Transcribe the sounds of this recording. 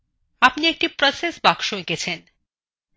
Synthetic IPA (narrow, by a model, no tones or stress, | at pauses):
apniek̚ʈipɾɔsesbakʃoeket͡ɕʰen